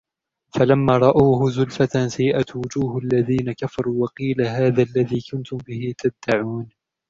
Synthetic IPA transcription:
falamːaːɾˤɑʔaːɦʊzʊlfat̪asajːɪʔat̪wʊd͡ʒuːhʔalːaðiːnakafɑɾˤuːwɑqiːlaɦaːðaːlːaðiːkʊnt̪ʊmbɪɦɪt̪ʰab̪̚d̪̥aʕuːn

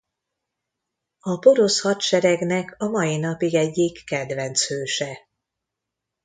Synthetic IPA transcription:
ɒpo̞ɾo̞shɒt̪ʃɛɾɛɡnɛkɒmɒjinɒpiɡɛɟːikːɛd̪vɛnt̪shøːʃɛ

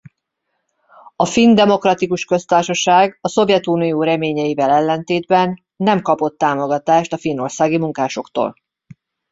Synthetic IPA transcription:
ɒfind̪ɛmo̞krɒt̪ikuʃkø̞st̪aːrʃɒʃaːɡɒso̞vjɛt̪unijoːɾɛmeːɲɛjivɛlɛlːɛnt̪eːd̪bɛnː | ɛmkɒpo̞t̪ːaːmo̞ɡɒt̪aːʃt̪ɒfino̞rsaːɡimuŋkaːʃo̞kt̪o̰ːl

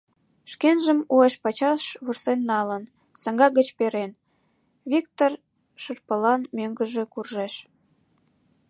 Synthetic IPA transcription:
ʃkenʒəmueʃpɑt͡ɕɑʃβursenːɑlən | sɑŋɡɑɡət͡ɕpeɾen | βik̚t̪or | ʃərpəlɑnmøŋɡəʒekurʒeʃ

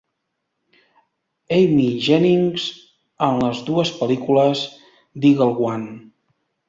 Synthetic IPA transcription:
ejmiʒɛniŋz̥ | ənləzðuəspəlikuləz | d̪iɣəlˠɣwan

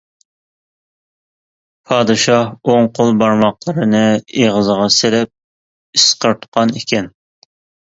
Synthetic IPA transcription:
pʰɑːd̪ɨʃɑhoŋqʰolˠbɑɾmɑqlˠəɾɨnɨeʁəzəʁɑselɛp̚ | isqəɾt̪ʰqʰːɑnikʲʰɛn

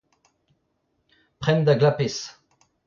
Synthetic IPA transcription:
pχɛnd̪aɡlapes

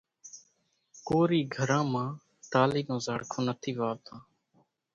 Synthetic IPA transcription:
koːɾiːɡʱəɾãːmãː | t̪aːliːnõːzəɽkʰõːnət̪ʰiːʋaːt̪ãː

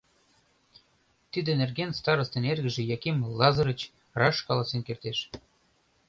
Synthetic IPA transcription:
t̪id̪ĕnerɣenst̪ɑɾəst̪enerɣə̆ʒĕjɑkemlɑzɤ̆ɾə̆t͡ɕ | rɑʃkɑlɑsenkert̪eʃ

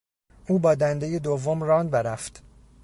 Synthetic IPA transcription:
ʔuːbɒːd̪ænd̪e̞jed̪ovːomrɒːnbeɾæft̪

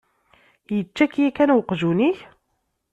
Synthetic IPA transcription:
jət͡ʃːækjækænwqʒuniç

